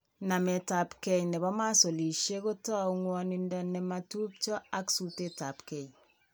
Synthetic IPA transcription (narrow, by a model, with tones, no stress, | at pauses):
na˨mɛ˨ta˨pkɛ˨jnɛ˨bɔ˦ma˦so˨li˨ʃe˦ko˦tɔ˦ŋwɔ˨ni˨ndɔ˨nɛ˨ma˨tu˦p̚t͡ʃɔ˦a˦ksu˨te˦ta˨pkɛ˨j